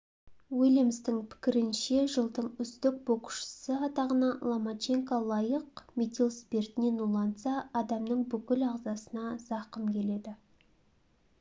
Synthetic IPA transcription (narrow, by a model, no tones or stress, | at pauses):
wilʲemst̪ɪŋpʰɪ̥kʲɪɾɪnʃe̞ʒəlˠd̪əɴʏst̪ɪk̚bo̞qʊ̥ʃə̥səɑt̪ɑʁənɑlˠomat͡ʃe̞ŋkalˠɑjəqmʲet̪ʲilˠspʲe̞rt̪ɪne̞nulˠɑnt̪sɑːd̪ɑmnəɴbʏkʲɪlɑʁzɑsənɑzɑqəmkʲʰe̞le̞d̪ɪ